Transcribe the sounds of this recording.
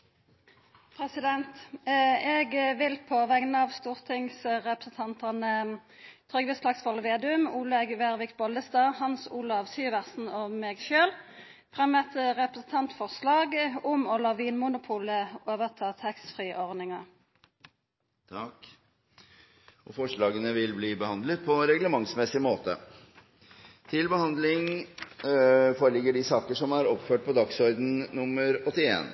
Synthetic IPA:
pʰʁɛsɪd̪ɛnt̪ | ɛɡʋɪlpʰoːʋæɡnəɑːʋst̪uːʁt̪ʰɪŋsʁɛpɾəsn̩t̪ʰɑnt̪əʁnət̪ʰʁʏɡʋəslɑɡsfɔlʋeːd̪ʉmuːləɛɡʋæʁʋɪkbɔld̪əst̪ɑːhɑnsuːlɑɑʋsyːʋæʁsn̩ɔmeːɡʃøːl | fʁɛmɛt̪əʁɛpʁəsn̩t̪ʰɑnt̪fɔʁslɑːɡʊmɔlɑːʋiːnmʊnʊpʰuːləʔoːʋəʁt̪ʰɑːt̪ʰɛkst̪fʁiːʔɔʁdnɪŋɑ | t̪ʰɑk | ʔɔfɔʂɭɑːɡənəʋɪlbliːbəhɑnd̪lət̪̚pʰɔɾɛɡləmɑŋsmɛsɪmoːt̪ə̰ | t̪ʰɪlbəhɑnd̪lɪŋ | foːɾəlɪɡːəɖɪsɑːkəʂɔmæɾɔpføːʈ̚pʰɔd̪ɑksɔɾd̪n̩nʊmːəɾɔt̪ːɪḛːn

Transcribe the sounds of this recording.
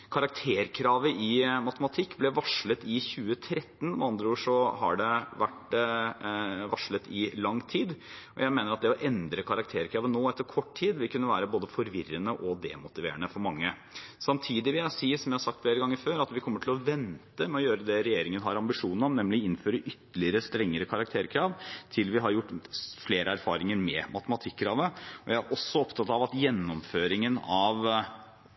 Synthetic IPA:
kʰɑɾɑk̚t̪ʰeːɾkʰɾɑːʋəʔɪmɑt̪əmɑt̪ʰɪkːblɛʋɑʂlət̪ɪçʉːət̪ʰɾɛt̪ːn̩mɑnd̪ɾuːʂɔhɑ̰ɖɛʋæʈ | ʋɑʂlət̪ʰɪlɑŋːt̪ʰiːd̪ | ɔjæɪmeːnəɾɑt̪̚d̪ɛɔʔɛnd̪ɾəkʰɑɾɑk̚t̪ʰeːɾkʰɾɑːʋənːoːɛt̪ːəɾkʰɔʈːtʰiːd̪ʋɪlkʉnːəʋæːɾəboːd̪əfɔɾʋɪrənəʔɔd̪ɛmʊt̪ɪʋḛːəɳəfɔɾmɑŋːə | sɑmt̪ʰiːd̪ɪʋɪæhɑsiːəʂɔmjæhɑʂɑkt̪fleːɾəɡɑŋːəɪføːɾɑt̪ʋɪkʰɔmːəʈʰɪlɔʋɛnt̪əmɛɔjøːɾəd̪ɛɾɛjeːɾɪŋənɦɑɾɑmbɪʂuːnəɾɔmnɛmlɪɪnføːɾəʔʏt̪ːəɭɪəɾəst̪ɾɛŋːəɾəkʰɑɾɑk̚t̪ʰeːɾkʰɾɑːʋt̪ʰɪlʋɪɦɑɾjʊʈːfleːɾəæɾfɑ̰ːɾɪŋəɾmɛmʔɑt̪əmɑt̪ʰɪkːɾɑːʋəɔjæɪæɾʔɔsːɔɔpt̪ʰɑt̪ɑʋɑt̪jɛnːɔmføːɾɪŋənɑʋ

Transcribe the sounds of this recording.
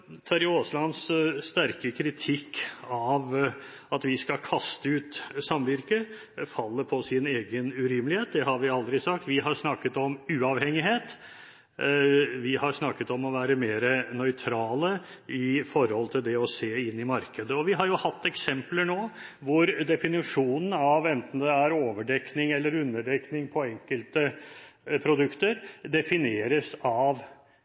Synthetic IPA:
t̪ʰæɾɪoːslɑnsst̪æɾkəkʰɾɪt̪ʰɪkːɑʋ | ɑt̪ʋɪskɑkʰɑst̪əʉːt̪sɑmʋɪɾkə | fɑlːəpʰɔsɪneːɡənʉɾʏməlɪheːt̪̚d̪ɛhɑɾʋɪɑld̪ɾɪsɑk̚t̪ʋɪɦɑɾʂnɑkːət̪ɔmʉːɑʋhɛŋːɪheːt̪ | ʋɪhɑɾʂnɑkːət̪ɔmɔʋæːɾəmeːɾənœʏt̪ʰɾɑːlə | ɪfɔɾhɔlt̪ʰɪld̪ɛɔseːɪnːɪmɑɾkəd̪əɔʋɪɦɑɾjʊhɑt̪ːɛksɛmpləɳoːʋʊɾd̪ɛfɪnɪʂuːnən̩ɑʋɛnt̪n̩d̪ɛæɾoːʋəɖɛknɪŋɛlːəɾʉnːəɖɛknɪŋpʰɔɛŋkəlt̪ə | pʰɾʊd̪ʉkt̪əɾd̪ɛfɪneːɾəsɑʋ

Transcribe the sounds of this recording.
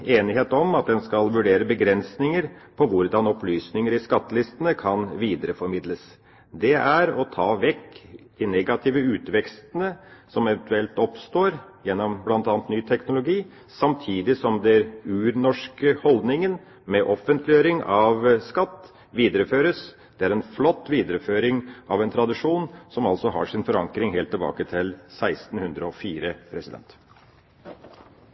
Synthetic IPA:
eːnɪɦeːt̪ɔmɑt̪̚d̪ɛnskɑlʋʉɖeːɾəbəɡɾɛnsnɪŋəɾpʰɔʋʊɾd̪ɑnɔplyːsnɪŋəɾɪskɑt̪ːlɪst̪ənəkʰɑnʋiːd̪əɾəfɔɾmɪd̪ləs | d̪ɛʔæɾɔt̪ʰɑːʋɛkːd̪̥ɪneɡɑt̪ʰiːʋəʉːt̪ʋɛkst̪ənəsɔmɛʋɛnt̪ʉɛlt̪ɔpst̪oːɾjɛnːɔmblɑnt̪ɑːnt̪nyːt̪ʰɛknʊlʊɡiː | sɑmt̪ʰiːd̪ɪsɔmd̪ɛɛæɾʉːɾnɔʂkəhɔld̪nɪŋən | mɛʔɔfənt̪ʰlɪjøːɾɪŋɑʋskɑt̪ː | ʋiːd̪əɾəføːɾəs | d̪̥ɛæɾɛnflɔt̪ːʋiːd̪əɾəføːɾɪŋɑʋɛnt̪ʰɾɑd̪ɪʂuːnsɔmɑlsɔɦɑ̰ʂɪnfɔɾɑŋkɾɪŋɦeːlt̪ʰːɪlbɑ̰ːkət̪ʰɪlsæɪst̪n̩hʉnd̪ɾəɔfiːɾəpʰɾɛsɪd̪ɛ̰nt̪

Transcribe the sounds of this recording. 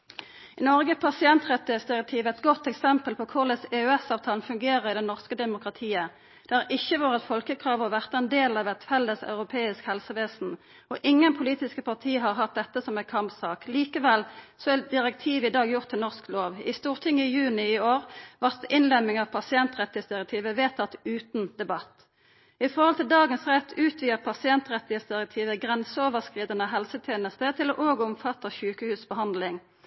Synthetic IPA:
ɪnɔʁɡəpʰɑsɪɛnt̪ʁɛt̪ːɪəsd̪ɪʁɛk̚t̪ʰiːʋɛt̪ɡɔt̪ːɛksɛmpəlpʰɔkʰʊʁlɛsɛʉɛsɑːʋt̪ʰɑːln̩fʉŋɡeːʁəʁɪd̪ɛnɔʁskəd̪ɛmʊkʁɑt̪ʰiːə | d̪̥ɛɑʁʔɪçːəʋoːʁət̪fɔlkəkʰʁɑːʋɔʋæʁt̪ɛnd̪eːlɑʋɛt̪fɛlːəsɑ̰ʉʁʊpʰeːɪskhɛlsəʋeːsn̩ | ɔʔɪŋːənpʰʊliːt̪ɪskəpʰɑʁt̪ʰiːɦɑʁɦɑt̪̚d̪ɛt̪ːəsɔmɛkʰɑmpsɑːkliːkəʋɛlsɔɛd̪ɪʁɛk̚t̪ʰiːʋɪd̪ɑːɡjʊʁt̪ʰːɪlnɔʁskloːʋɪst̪uːʁt̪ʰɪŋːɪjʉːnɪɪoːʁʋɑʁt̪ɪnlɛmɪŋɑʋpʰɑsɪɛnt̪ʁɛt̪ːɪheːsd̪ɪʁɛk̚t̪ʰiːʋəʋeːt̪ʰːɑt̪ʉːt̪nd̪̥ɛbɑt̪ː | ɪfɔʁhɔlt̪ɪld̪ɑːɡənsʁɛt̪ʰːʉːt̪ʰʋiːəʁpʰɑsɪɛnt̪ʁɛt̪ːɪheːsd̪ɪʁɛk̚t̪ʰiːʋəɡʁɛnsəoːʋəʁskʁiːd̪ənəɦɛlsət̪ʰjeːnəst̪ət̪ʰɪlɔʔoːɡəɔmfɑt̪ːəçʉːkəhʉːsbəhɑnd̪lɪŋ

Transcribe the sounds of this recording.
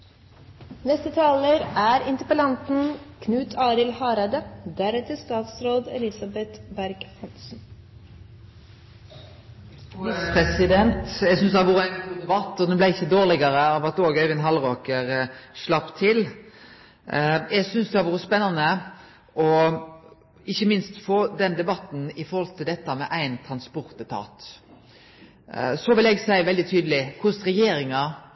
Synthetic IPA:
nɛst̪ət̪ʰɑːləɾæːɾɪnt̪əpəlɑnt̪n̩kʰnʉːt̪ʰɑːɾɪlhɑːɾɑd̪əd̪æɾɛt̪əst̪ɑːt̪sɾoːd̪ɛ̰lɪsɑbɛt̪bæɾɡhɑnsn̩ | ɪspʰɾɛsɪd̪ɛnt̪jæsʏnsd̪ɑʋʊʁəɛt̪unəʋɑt̪ːɔd̪ɛnblæɪɪçːəd̪oːʁlɪɡəʁəɑːʋɑt̪oːɡœɪʋɪnɦɑlʁoːkəɾʂlɑpt̪ʰɪl | ɛɡsʏnsd̪ɛhɑʋʊːɾəspɛnːɑnə | ʔɔ | ɪçːəmɪnst̪foːd̪ɛnd̪ɛbɑt̪n̩ɪfɔɾhɔlt̪ʰɪld̪ɛt̪ːəmɛʔæɪnt̪ʰɾɑnspɔɾt̪ət̪ʰɑ̰ːt̪ | sɔʋɪlɛɡsæɪʋɛld̪ɪt̪ʰyːd̪əlɪkʰʊsɾɛjeːɾɪŋɑ

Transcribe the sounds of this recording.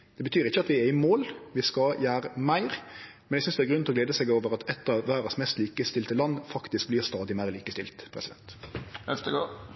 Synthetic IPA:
d̪̥ɛbət̪ʰyːɾɪçːəɑt̪ʋɪɛɪmoːlʋɪskɑjæːɾəmæɪɾ | mɛnɛɡsʏnsd̪ɛæɾɡɾʉnɔɡ̪leːd̪əsɛɡoːʋəʁɑt̪ɛt̪ːəʋæːɾɑsmɛst̪liːkəst̪ɪlt̪əlɑnːfɑkt̪ɪsk̚blɪːst̪ɑːd̪ɪmæɪʁliːkəst̪ɪ̰lt̪pʰɾɛsɪd̪ɛ̰nt̪ɛft̪əɡo

